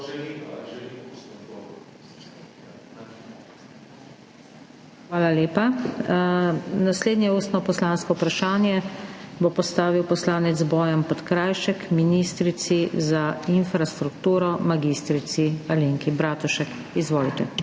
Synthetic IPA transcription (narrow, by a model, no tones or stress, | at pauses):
xʋaːlaleːpa | nasleːd̪njɛuːst̪nɔpɔslaːnskɔwpɾaʃaːnjɛbopɔst̪aːʋiwpɔslaːnɛt̪zbɔːjampɔt̪kɾaːjʃɛkminist̪ɾit̪sizainfɾast̪ɾukt̪uːɾɔmaɡist̪ɾit̪sialiŋkibɾaːt̪uʃɛk | izʋoːlit̪ɛ